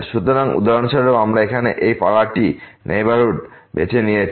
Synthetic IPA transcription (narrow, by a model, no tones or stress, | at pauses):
ʃut̪oɾaŋṵd̪aɾonʃaɾoamɾaekʰanḛʔejpaɭaʈinʔḛjbaɾuʈbḛt͡ɕʰenijet͡ɕʰ